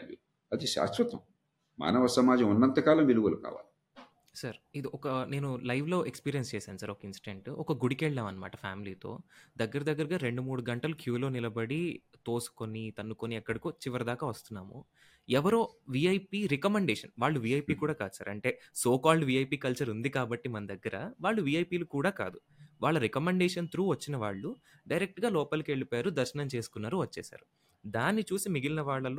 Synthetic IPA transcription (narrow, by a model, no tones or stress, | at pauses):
ḭ | ɐd̪iʃa̰ːsɾɐt̪ɐm | ma̰ːnɐʋɐsɐmaːd͡ʒɐ̃munːɐnt̪ɐkaːlɐmʋiluɡɐluka̰ːʋa̰ːli | sɐɾid̪iʔɔkɐne̞ːnulɐjʋlo̞ːʔekspiːɾijɐnst͡ʃɛːsaːnusaːɾɔkɐinsi̥ʈeɳʈɔkɐɡuɽikeːɭleːʋɐnɐma̰ːʈɐfʰa̰ːmiliːt̪o̞̰ːd̪ɐɡːɐɾɐd̪ɐɡːɐɾɐɡaːɾeɳɖumuːɽuɡɐɳʈɐlukʰjuːlo̞ːnilɐbɐɽi | t̪o̞ːsu̥konit̪ɐnːukoniɛkːɐɽikoːt͡ʃiʋɐɾɐd̪aːkaːʋɐst̪unːaːmṵ | ɛʋɐɾoːʋiɐjpiːɾekɐmeɳɖɛːʂɐ̰nʋaːɭːuʋiɐjpiːkuːɽaːkaːd̪usa̰ːɾɐ̰ɳʈe̞ːsoːkaːlɖʋiɐjpiːkɐlt͡ʃɐɾund̪ikaːbɐʈːimɐnɐd̪ɐɡːɐɾɐʋaːɭːuʋiɐjpiːlukuːɽaːka̰ːd̪u | ʋaːɭːɐɾekɐmeɳɖɛːʂɐnt̪ɾuːʋɐt͡ʃːinɐʋa̰ːɭːu | ɖɐjɾek̚ʈɡaːlɔːpɐlukieɭipːjaːɾud̪ɐɾʃɐnɐmt͡ʃe̞ːsu̥kunːaːɾuʋɐt͡ʃːɛ̰ːsa̰ːɾu | d̪aːnːit͡ʃuːsimiɡilinɐʋaːɭːɐlu